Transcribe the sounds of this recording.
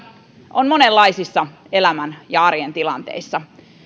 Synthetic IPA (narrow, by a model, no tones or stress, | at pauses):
ʔonmo̞nelːɑisisːɑ | e̞læmænjɑɑrjent̪ilɑnt̪ḛisːɑ